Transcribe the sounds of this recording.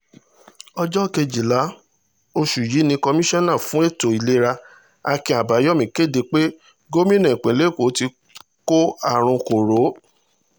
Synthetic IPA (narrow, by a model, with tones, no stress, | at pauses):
ɔ˧d͡ʒɔ˦˨ke˧d͡ʒi˨la˨˦ | o˧ʃu˨ji˨˦nĩ˧kɔ˧mĩ˦ʃɔ̃˦nã˦˨fũ˨˦e˦˨to˨i˨le˦ɾa˧ | a˧kĩ˧˨a˨ba˨˦jɔ˦mĩ˨ke˦˨de˧k͡pe˦ | ɡo˦mĩ˦nɛ̃˨k͡pẽ˨le˦˨ko˨˦ti˧ | ko˦a˦˨ɾ̃ũ˧ko˨ɾo˨˦